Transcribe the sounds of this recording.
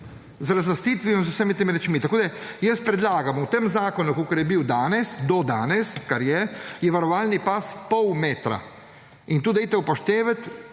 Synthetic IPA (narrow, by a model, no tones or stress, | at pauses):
zɾazlast̪iːt̪ʋiɔmzusɛmit̪emiɾɛt͡ʃmit̪akoːd̪ajəst̪̚pɾɛd̪laːɡamuwt̪emzaːkɔnukokɐɾjɛbiwd̪aːnɛsd̪ɔd̪aːnɛskaɾjɛjɛʋaɾɔʋaːlnipaspɔwmeːt̪ɾa̰ | int̪uːd̪ɛjt̪ɛupɔʃt̪eːʋət̪